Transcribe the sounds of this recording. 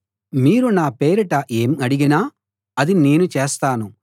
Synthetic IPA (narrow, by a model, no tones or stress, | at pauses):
miːɾunaːpe̞ːɾiʈɐʔeːmɐɽiɡinaː | ɐd̪ine̞ːnut͡ʃeːst̪aːnu